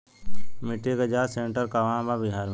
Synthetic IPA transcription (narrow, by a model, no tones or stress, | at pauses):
mɪʈːeɡɐd͡ʒaːseɳʈəɾkaʋãːbabɪɦaːɾm